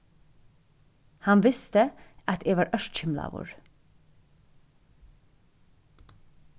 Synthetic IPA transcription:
hɑnʋɪst̪əʔɑt̪eːʋɑːɹʔœʃtc͡çɪmlɑ̰ːʋṵːɹ

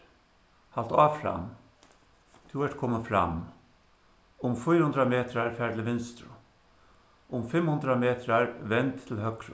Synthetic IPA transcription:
halt̪aːfɾa̰m | t̪ʰuʋɛʈkʰɔːməfɾa̰m | ʊmfʊjɾhʊnd̪ɾameːt̪ɾaɹfæːɹt̪lɪʋɪnst̪ɾʊ̰ | ʊmfɪmhʊnt̪ɾameːt̪ɾaɹʋɛnt̪ʰːɪlɦœkɾʊ

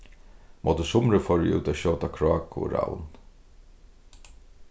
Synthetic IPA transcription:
mʔoːt̪əsʊmɾəfɔɹɪʔṵːt̪aɕɔwt̪akʰɾɔːkʊ̰ɾa̰wn

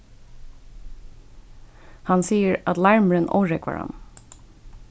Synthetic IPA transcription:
hɑnsiːəɹʔɑt̪lɑɹməɹənʔɔ̰ːɹɛkʋɑ̰ɹɑ̰n

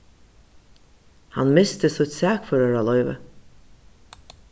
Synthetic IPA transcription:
hanmɪst̪əsʊt̪sæːkfœɾœɾalɔʏvə̰

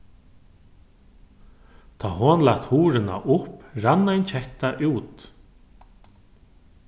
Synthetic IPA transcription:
t̪ʰaːɦoːnlat̪huːɾɪna̰ʔʊpɾanːajnt͡ɕʰɛht̪aʔuːt̪

